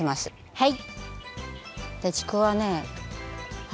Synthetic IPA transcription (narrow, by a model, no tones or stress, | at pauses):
emasɨ̥ | hai | d̪̥et͡ɕi̥koβane | h